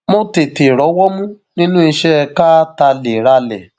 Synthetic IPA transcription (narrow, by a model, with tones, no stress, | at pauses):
mo˦te˨te˨ɾɔ˨˦wɔ˦mũ˦ | nĩ˦nũ˦i˧ʃɛ˦˧ka˦ta˧le˨ɾa˧lɛ̰˨